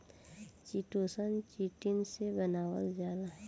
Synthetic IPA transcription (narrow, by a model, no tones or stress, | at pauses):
t͡ʃiʈoːsənt͡ʃiʈɪnsebənaːwə̰ld͡ʒjaːd̪a